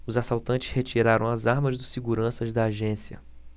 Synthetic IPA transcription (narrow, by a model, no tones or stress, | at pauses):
ʊzasawt̪ɐ̃nt͡ʃɪ̥shet͡ʃiɾaɾɐ̃w̃ɐzaɾmɐzd̪ʊsiɡuɾɐ̃sɐzd̪ɐaːʒẽsiɐ̰